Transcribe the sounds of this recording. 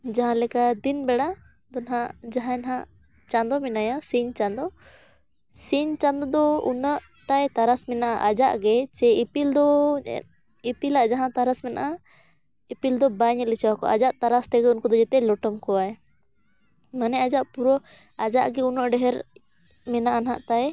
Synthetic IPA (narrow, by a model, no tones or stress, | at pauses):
d͡ʒaɦãlɛkad̪inbɛɽa | d̪ɔnɦaʔd͡ʒaɦãɛnɦãʔ | t͡ʃand̪ɔmɛnajasiɲt͡ʃand̪ɔ | siɲt͡ʃand̪ɔd̪ɔunaʔ | t̪ajt̪aɾasmɛnaʔaʔad͡ʒaʔɡɛt͡ʃɛipild̪ɔ̰ | ipilaʔd͡ʒaɦãt̪aɾasmɛna̰ʔa | ipild̪ɔbaɲɛlɛt͡ʃawakɔ̰ʔad͡ʒaʔt̪aɾast̪ɛɡɛunkɔd̪ɔd͡ʒɛt̪ɛlɔʈɔmkɔwaj | manɛad͡ʒaʔpuɾɔ | ad͡ʒaʔɡɛunaʔɖɛɦɛɾ | mɛnaʔanɦaʔt̪aj